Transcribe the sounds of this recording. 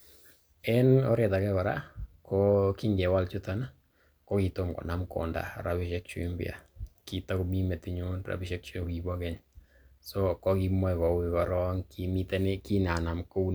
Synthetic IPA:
ɛ˦nɔ˦ɾɛ˨ta˨kɛ˦ba˨ɾa̰˦kʰɔ˦ki˦ŋɡɛ˨wa˦lt͡ʃu˦ta˦na˦ | kɔ˦ki˨to˦mkɔ̰˨na˨mkɔ̰˨nda̰˨ɾa˨βɪ˦ʃɛ˦k̚t͡ʃṵ˦i˦mbḭ˦a̰˨ki˨ta˦kumi˦mɛ˨ti˨ɲonra̰˨bɪ˦ʃɛ˦k̚t͡ʃu˦˨ki˨bɔ˦kɛ˦ɲ | sɔkɔ˦ki˦mɔ˦jkɔ˨wika˨ɾɔ˦ŋki˨mi˦tɛ˦nɛki˦na˨na˨mko˦u˦n

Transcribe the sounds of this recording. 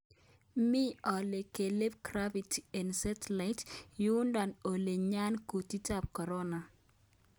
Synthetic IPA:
mi˦ɔ˨le˨ke˨le˦p̚kɾa˦bi˨tɛ˨nsa˦tla˨ɪtju˦nda˨no˨le˨ɲa˦nku˨ti˦ta˦˨p̚kɔ˨ɾɔ˦na˨

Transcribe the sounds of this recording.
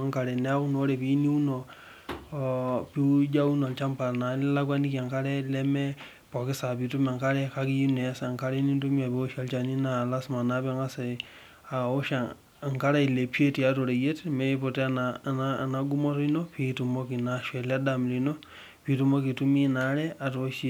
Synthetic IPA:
a˦ŋka˨ɾɛ˨nɛ˦ku˦no˦ɾɛ˨pi˦ni˦u˦nɔ˨ | pi˦d͡ʒa˦u˦no˨lt͡ʃa˦mpa˨lna˨lla˦ɡwa˦ni˦ki˨a˨ŋka˦ɾɛ˦lɛ˦mɛ˦ | pɔ˨kɪ˦sa˨pi˨tu˦ma˨ŋka˦ɾɛ˦ka˦ki˦u˦nɛ˨a˦sŋka˦ɾɛ˦ni˦ntu˦mi˦a˨pi˨o˦ʃa˨lt͡ʃa˨ni˦na˨la˦sma˨na˦pɛ˦ŋɡa˦sɛ˨ | a˨o˦ʃa˨ | ŋka˦ɾa˦i˨le˨pje˦ti˨a˨˦to˨ɾe˨je˦tmɛ˦po˨tɛ˦a˦nanana˨ɡu˦mɔ˦tɔ˦i˦no˦pi˨tu˨mɔ˦ki˨naʃwɛ˨la˦damli˨no˦ | pi˨tu˦mɔ˦ki˨tu˦mi˦na˨˦ɾɛ˦a˨to˨˦ʃi˦

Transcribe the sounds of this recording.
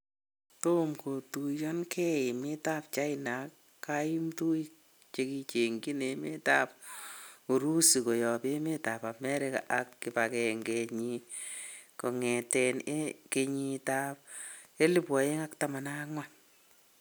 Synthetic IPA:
to˦mko˨tu˨jɔ˦nkʰɛ˦ɪ˨mɪ˦ta˦p̚t͡ʃa˦ɪna˨kː | a˦i˦mtu˦j | t͡ʃe˧ki˧t͡ʃe˨ŋɡi˦ne˨me˦ta˦p̚ | u˨ɾu˦si˨kɔ˨jɔ˨pe˦me˦ta˨pa˨mɛ˦ɾɪ˦ka̰ʔa˨kːɪ˨pakɛ˨ŋɡeɲi | kɔ˨ŋɛ˨tɛne˦ke˧ɲi˧ta˦p̚ | e˦li˦pwɔ˨je˦ŋa˦ktama˨na˦ŋwa

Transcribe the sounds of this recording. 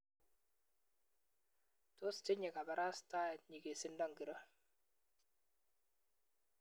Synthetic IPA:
to˦stɪ˦ɲɪ˨ka˨bɛ˨ɾʔa˦sta˦ɛ˨tɲi˨ke˨sɪ˦ndɔ˦ŋɡi˨ɾɔ˦

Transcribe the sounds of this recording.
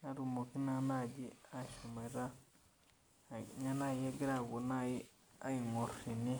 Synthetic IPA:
na˦ɾu˨mo˨ki˦na˦na˦d͡ʒi˦a˦˨ʃu˨ma˨ɾa˦˨ | na˦na˦je˦ɡi˦ɾa˦˨ɡu˨na˦ji˦ | a˦i˨ŋo˨ɾi˨ni˦

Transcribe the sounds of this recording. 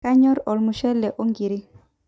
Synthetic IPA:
a˦ɲɔ˦ɾɔ˨lmu˨ʃɛ˦lːɛ˨ʔo˦ŋɡi˨ɾi˦

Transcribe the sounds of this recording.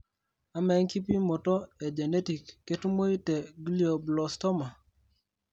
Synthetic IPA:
a˦mɛ˨˦ŋki˦pi˦mɔ˨tɔ˦e˨d͡ʒe˨ne˦ti˨kːe˦tu˦mo˦i˦tɛ˨ɡli˦o˨blɔ˨stɔ˦ma˨

